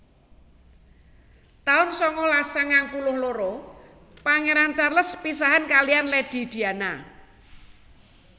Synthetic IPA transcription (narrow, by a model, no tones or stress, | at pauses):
t̪aʊnsɔŋɔlasaŋaŋpulʊhloɾɔ | paŋeɾant͡ʃarləspisaɦankalijanled̥i̤d̪̥i̤ana